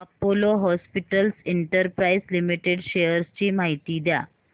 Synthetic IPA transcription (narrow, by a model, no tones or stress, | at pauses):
ɐpoloɦɔspiʈəlseɳʈəɾpɾaislimiʈeɖɕejəɾst͡ɕiːmaɦit̪iːd̪ja